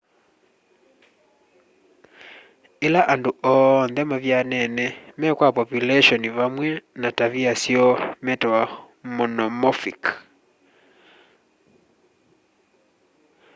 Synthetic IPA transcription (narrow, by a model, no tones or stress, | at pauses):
ɛlaʔanduɔnðɛmavjanɛnɛmɛkwapɔpjulɛʃɔniβamwɛnataβiasiɔmɛtɔwa | mɔnɔmɔfik